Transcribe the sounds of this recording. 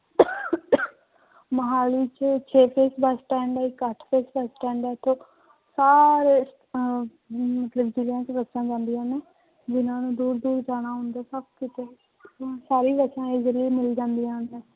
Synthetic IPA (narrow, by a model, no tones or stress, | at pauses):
məɦaːliːt͡ʃt͡ʃʰeːpʰeːsbəsʈɛ̃ːɳɖɛikəʈʰpʰeːsbəsʈɛ̃ːɳɖɛːɪt̪ʰːõː | saːɾeːs | mət̪ləbd͡ʒɪlijãːt͡ʃbətːʃãːd͡ʒãːnd̪ijãːneː | d͡ʒɪnãːnũːd̪uːɾd̪uːɾd͡ʒaːɽ̃aːɦʊ̃ːnd̪aːsəbkɪt̪e | saːɾiːbəʃãːɪzliːmɪld͡ʒãːnd̪ijãːneː